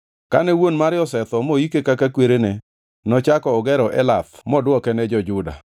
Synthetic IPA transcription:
ka̰nɛwonmaɾjɔsɛt̪ɔmoikekakakweɾene | nɔt͡ʃakɔːɡɛɾɔʔɛlatmɔdwɔkɛnɛd͡ʒɔd͡ʒʊda̰

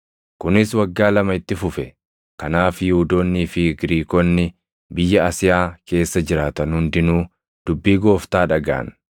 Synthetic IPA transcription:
kʊnɪswɐɡːaːlɐmɐɪt̪ːɪfʊfɛ | kɐnaːfjɪhʊd̪oːnːiːfɪɡɪɾiːkɔnːɪ | bɪjːɐɐsɪjaːke̞ːsːɐd͡ʒɪɾaːt̪ɐnhʊnd̪ɪnuː | d̪̥ʊbːiːɡo̞ːft̪aːᶑɐɡa̰ːn

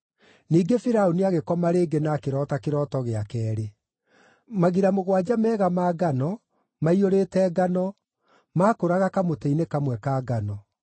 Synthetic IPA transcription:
niːɡefiɾaoniaɣekɔmaɾeːɡenaːkeɾɔːtakeɾɔːtɔɣeakɛːɾe | maɣiɾamoɣwad͡ʑamɛːɣamaːɡanɔ | maioɾeːtɛɡanɔ | maːkoɾaɣakamotɛinekamwɛkaːɡanɔ

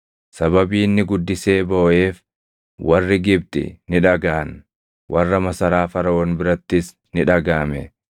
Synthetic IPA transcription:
sɐβɐbiːnːɪɡʊd̪ːɪse̞ːbo̞ːʔe̞ːf | wɐrːɪɡɪb̚t̪ɪ̰nɪᶑɐɡaːn | wʔɐrːɐmɐsɐɾaːfɐɾɐwɔːnbɪɾɐt̪ːɪs | nɪᶑɐɡaːmɛ

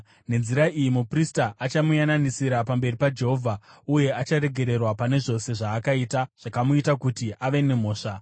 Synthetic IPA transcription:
ne̞nziɾaijimupristaʔat͡ʃamujananisiɾapambe̞ripad͡ʒe̞ɦovʱauje̞ʔat͡ʃaɾe̞ɡʱe̞ɾe̞rwapane̞ʐo̞se̞ʐaːkaitaʐ̥akamuitakutiʔaʋe̞ne̞m̤o̞ːʂa

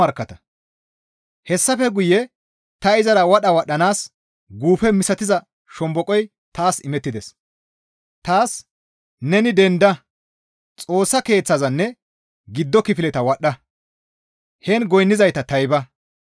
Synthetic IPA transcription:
ɐɾkːɐt̪ɐ | hɛsːɐfɛɡʊjɛ | t̪ɐɪzɐɾɐwɐɗɐwɐɗːɐnaːs | ɡuːfɛmɪsɐt̪ɪzɐ | ʃɔmbɔkʼɔj | t̪aːsɪmɛt̪ːɪd̪ɛs | t̪aːs | nɛnɪd̪ɛnd̪ɐ | t͡sʼoːsːɐke̞ːt͡sːɐzɐnːɛ | ɡɪd̪ːɔkɪfɪlɛt̪ɐwɐɗːɐ | hɛnɡɔjnːɪzɐjt̪ɐt̪ɐjbɐ

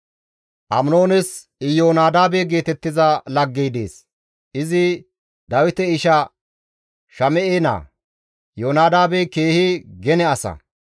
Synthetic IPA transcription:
ʔɐmno̞ːnɛs | ɪjoːnaːd̪aːbɛɡe̞ːt̪ɛt̪ːɪzɐlɐɡːɛjd̪eːs | ɪzɪ | d̪ɐwɪt̪ɛɪʃɐ | ʃɐmɛʔeːna̰ː | joːnaːd̪aːbɛke̞ːhɪɡɛnɛɐsɐ̰

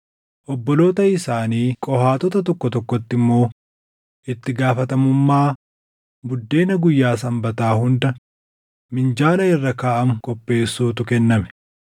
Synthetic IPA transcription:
ʔɔbːɔlo̞ːt̪ɐɪsaːniːkʼɔhaːt̪ɔt̪ɐt̪ɔkːɔt̪ɔkːɔt̪ːɪmːo̞ː | ʔɪt̪ːɪɡaːfɐt̪ɐmʊmːaː | bʊd̪ːe̞ːnɐɡʊjːaːsɐmbɐt̪aːhʊnd̪ɐ | mɪnd͡ʒaːlɐɪrːɐkaːʔɐmkʼɔpːe̞ːsːuːt̪ʊkɛnːɐmɛ̥

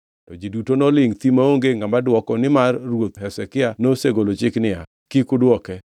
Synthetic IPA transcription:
tɔd͡ʒidutonɔlɪŋt̪imaoŋɡeŋamadwɔkɔnɪmarːwot̪ɦɛsɛkɪanoseɡolot͡ʃɪknɪa | kikʊdwɔkɛ

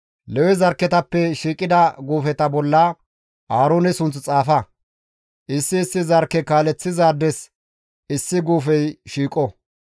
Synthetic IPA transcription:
lɛwɛzɐɾkːɛt̪ɐpːɛʃiːkʼɪd̪ɐɡuːfɛt̪ɐbɔlːɐ | ʔaːɾoːnɛsʊnt͡st͡sʼaːfɐ | ʔɪsːɪːsːɪzɐɾkːɛkaːlɛt͡sːɪzaːd̪ɛs | ɪsːɪɡuːfɛjʃiːkʼɔ

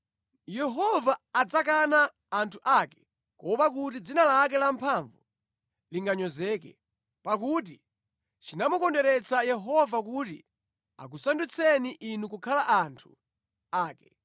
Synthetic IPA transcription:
jɛɦɔvaːd͡zak̬anaː | ntʰuʔakɛ̥ | kɔpak̬ut̬id͡zinalak̬ɛlampʰaɱvu | liŋɡaɲɔzɛk̬ɛ̰ | pak̬ut̬i | t͡ʃinamukɔndɛɾɛt͡sʰajɛɦɔvakutḭ | a̰k̬usandut͡sʰɛniʔinukukʰalaʔantʰṵ | aːkɛ

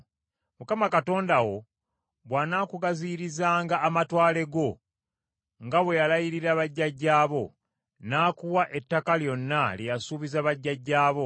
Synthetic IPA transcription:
mukamakato̞ːndawo̞ | βwaːnaːkuɡaziɾizaːŋɡaːmatwaːle̞ɡo̞ | ŋɡaβwe̞jalajiɾiɾaβaɟːaɟːaːβo̞ | naːkuwaʔetːakaljo̞nːalijasuːβizaβaɟːaɟːaːβo̞

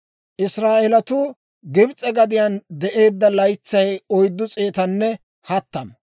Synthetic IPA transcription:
ʔɪsɾaːʔɛlɐt̪ʊ | ɡɪbt͡sʼɛɡɐd̪ɪjɐnd̪ɛʔe̞ːd̪ːɐlɐjt͡sːɐjɔjd̪ːʊt͡sʼeːt̪ɐnːɛ | hɐt̪ːɐm

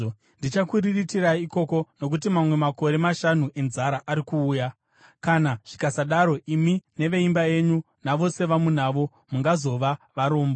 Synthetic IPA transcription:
ndit͡ʃakuriritiraiko̞ko̞no̞k̬ut̬imamwe̞mako̞ɾe̞maʃanuʔe̞nzaɾaʔaɾikuːja | kanaʐ̥ikasaɗaɾo̞imine̞ʋe̞imbae̞ɲu | naʋo̞se̞ʋamun̤aːʋo̞ | muŋɡazo̞ʋaʋaɾo̞ːmbo

